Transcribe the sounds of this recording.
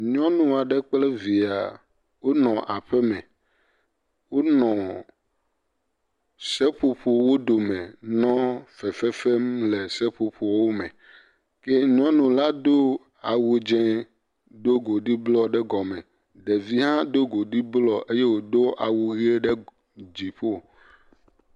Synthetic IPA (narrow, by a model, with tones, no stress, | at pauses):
ɲɔ̃˦nũ˨a˨ɖɛ˦k͡plɛ˦vi˨a̰˨ | wo˦nɔ̃˨ʔa˨ɸɛ˦mɛ̰̃˨ | wo˦nɔ̃˨ | sɛ˦ɸo˨ɸu˨wo˦ɖ̪o˨mɛ̃˨nɔ̃˦fɛ˨fɛ˦fɛ˦mle˨sɛ˦ɸo˨ɸu˨˦wo˦mɛ̰̃˨ | kɛ˦ɲ˦ɔ̃˦nũ˨la˦d̪o˦ | a˨wu˨d͡ʒɛ̃˦ | do˦ɡo˨ɖi˦blɔ˦ɖɛ˦ɡɔ˨mɛ̃˨ | ɖɛ˨vi˦ɦã˦d̪o˦ɡo˨ɖi˦blɔ˦ʔe˦je˦wo˨d̪o˦a˨wu˨ɣi˦e˦ɖɛ˦ | d͡ʑi˨ɸo˦˨